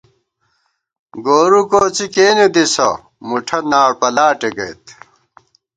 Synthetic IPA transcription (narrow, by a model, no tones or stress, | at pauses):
ɡoːɾukoːt͡sikeːned̪isɐ̰ | muʈʰɐnaːɽpɐlaːʈeɡɐjt̪